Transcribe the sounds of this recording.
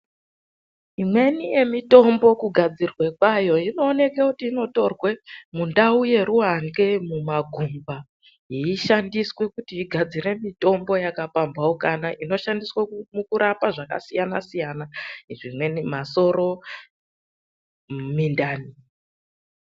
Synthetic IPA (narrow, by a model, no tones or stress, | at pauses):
imwe̞nije̞mito̞mbo̞kuɡʱad͡zirwe̞kwajo̞ino̞ːne̞kekutiːno̞to̞rwemundauje̞ɾuɦaŋɡe̞mumaɡʱumba | iiʃandiswe̞kutiːɡʱad͡ziɾe̞mito̞mbo̞jakapambawokanaʔino̞ʃandiswamukuɾapaʐaka̰sijanasijanaʐimwe̞nimaso̞ɾo̞ | mindaːni